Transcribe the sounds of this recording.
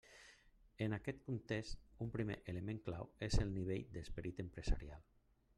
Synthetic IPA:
ənakɛt̪kunt̪est̪umpɾimḛʔələmẽŋkla̰wezəlˠniβ̞eʎd̪əspəɾit̪əmpɾəza̰ɾialˠ

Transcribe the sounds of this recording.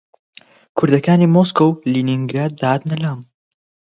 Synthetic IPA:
kʰʊɾd̪ɐkaːnimoskowliːniŋɡɾaːd̪̚ːaːd̪nɐlaːm

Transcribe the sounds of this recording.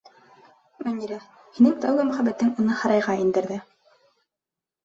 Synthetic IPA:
mæ̆nʲiɾæ | hinɘŋt̪æwɡɘmɵ̆χæbæt̪ːɘŋunɤhɑɾɑjʁɑind̪ɘ̆ɾðɘ

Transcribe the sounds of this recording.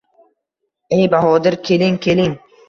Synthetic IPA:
ejbaɦɒːd̪ɪɾkʲʰe̞lɪŋkʲʰe̞lɪŋ

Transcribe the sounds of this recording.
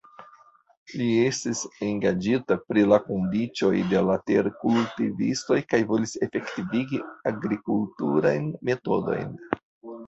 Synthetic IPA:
lie̞stiseŋɡad͡ʒitapɾilakondit͡ʃo̞jde̞late̞ɾkultivḭsto̞jkajvo̞lise̞fe̞ktiviɡiaɡɾikultuɾa̰jnme̞to̞do̞̰jn

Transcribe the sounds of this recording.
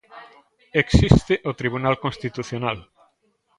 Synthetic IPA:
eksist̪ɪʔot̪ɾiβ̞unalkonst̪it̪uθjonal

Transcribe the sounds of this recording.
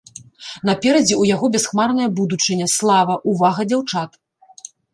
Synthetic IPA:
nɐpʲɛɾɐd͡zʲiujaɣɔbʲɛsxmarnɐjɐbud̪ut͡ʂɨnʲɐslˠavɐʔuvaɣɐd͡zʲawt͡ʂat̪

